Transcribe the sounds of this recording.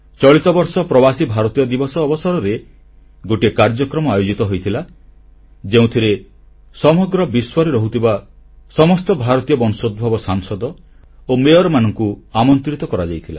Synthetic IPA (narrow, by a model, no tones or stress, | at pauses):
t͡ʃɔɭit̪ɔbɔɾsɔpɾɔbasibʱaɾɔt̪ijɔd̪ibɔsɔːbɔsɔɾɔɾe | ɡoʈiekaɾd͡ʒɔkɾɔmɔajod͡ʒit̪ɔɦojt̪ʰila | d͡ʒeũt̪ʰiɾe | sɔmɔɡɾɔbiswɔɾiɾɔɦut̪ʰiba | sɔmɔst̪ɔbʱaɾɔt̪ijɔbɔnsod̪̚bʱɔbɔsaŋsɔd̪ɔ | omeɔɾɔmanɔŋkuamɔnt̪ɾit̪ɔkɔɾad͡ʒajt̪ʰila